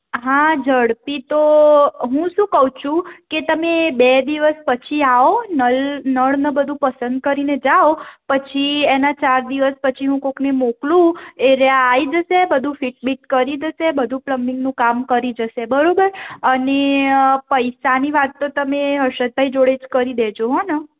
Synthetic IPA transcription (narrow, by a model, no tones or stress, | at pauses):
ɦãd͡ʒʱəɽpit̪oɦũʃũkəɦũt͡ʃʰũket̪əmebed̪iʋəspət͡ʃʰiaonənəɭnəbəd̪ʱũpəsənd̪̚kəɾined͡ʒaopət͡ʃʰienat͡ʃaɾd̪iʋəspət͡ʃʰiɦũkoknemoklũeɾjaːid͡ʒəʃebəd̪ʱũfiʈ̚biʈkəɾid͡ʒəʃebəd̪ʱũpləmiŋɡnũkamkəɾid͡ʒəʃebəɾobəɾənepəjsaniʋat̪ːot̪əmeɦəɾʃət̪̚bʱaid͡ʒoɽed͡ʒkəɾid̪ed͡ʒoɦɔnə